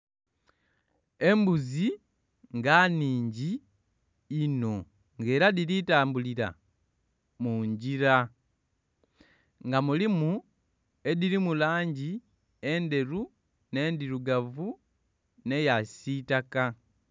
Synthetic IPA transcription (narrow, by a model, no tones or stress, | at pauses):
e̞mbuzi | ŋɡaniːɲɟiː | no̞ | ŋɡe̞ːɾadiɾitaːmbuliɾa̰ | muɲɟiɾa | ŋɡamulimu | e̞diɾimulaːɲɟi | e̞nde̞ɾu | ne̞ːndiɾuɡavu | ne̞jasitaka